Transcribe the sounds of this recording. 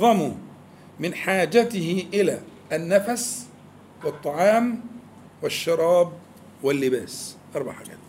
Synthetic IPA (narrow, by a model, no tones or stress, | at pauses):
ðˤɑmʊ | mɪnħaːd͡ʒat̪ɪhɪʔɪlaː | nːafas | wɨt̪ˤːɑʕɑːm | wɪʃːɑɾˤɑːb̚ | wɪlːɪbaːsʔɑɾˤbɑ̰ʕħa̰ɡa̰ːt̪